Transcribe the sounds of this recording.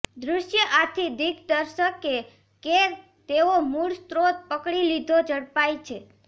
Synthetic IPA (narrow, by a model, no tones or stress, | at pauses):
d̪ɾʊʃjəʔat̪ʰid̪ikd̪əɾʃəke | ke | t̪eomuɽst̪ɾot̪̚pəkɽilid̪ʱod͡ʒəɽpajt͡ʃʰe